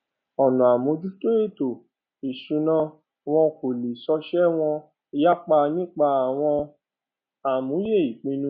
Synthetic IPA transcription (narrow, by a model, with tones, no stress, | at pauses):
ɔ˨nũ˨a˨mũ˨˦d͡ʒu˦to˦e˦˨to˨ | i˨ʃũ˨˦nã˦ | w̃ɔ̃˧ko˨li˨sɔ˧ʃɛ˦w̃ɔ̃˧ | i˧ja˦k͡pa˧nĩ˦k͡pa˧a˨w̃ɔ̃˧ | a˨mũ˨˦je˦˨i˨k͡pĩ˨˦nũ˦